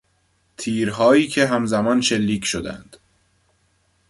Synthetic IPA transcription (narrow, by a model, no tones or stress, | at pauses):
t̪ʰiːɾɦɒːiːcʰe̞ɦæmzæmɒːnʃe̞lːiːcʰʃod̪æ̰nd̪̥